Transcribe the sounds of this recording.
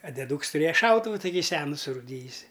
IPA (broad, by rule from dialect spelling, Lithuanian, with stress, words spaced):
ɐ dʲɛˈduːks tʊˈrʲeːjɛ ˈʃɐʊtʊʋʊ ˈtɑːkʲiː ˈsʲæːnʊ sʊruːˈdʲiːjʊsʲɪ